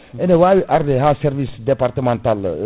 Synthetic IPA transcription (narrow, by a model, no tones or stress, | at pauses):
ɛnewayʔaɾd̪eɦasɛɾʋisd̪ɛpaɾt̪əmɑ̃nt̪al